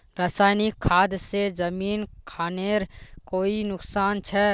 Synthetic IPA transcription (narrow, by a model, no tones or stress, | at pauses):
pɾaːsaːjnikʰːaːd̪sed͡ʒəmiːnkʰaːneɾkoːinʊksaːnt͡ʃʰɛ